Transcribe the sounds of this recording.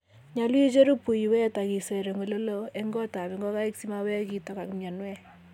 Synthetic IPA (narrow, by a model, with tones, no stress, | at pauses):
ɲa˨lwt͡ʃe˦ɾu˦pu˨jwɛ˦ta˨ki˨sɛ˨ɾe˨ŋo˨lo˦lo˦e˦ŋɡɔ˦ta˨pɛ˨ŋɡɔ˦ka˦i˦ksi˦ma˦wɛ˦ki˦tɔ˨ka˨kmja˨nwɛ˦